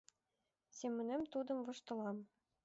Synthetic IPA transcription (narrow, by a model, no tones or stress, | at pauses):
sʲemʲːɘ̆nemt̪ud̪ɤ̆mvɤ̆ʃt̪ɤ̆lˠɑm